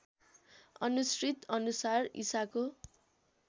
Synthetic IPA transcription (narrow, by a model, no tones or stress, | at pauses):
ʌnusrit̪ʌnusarḭsako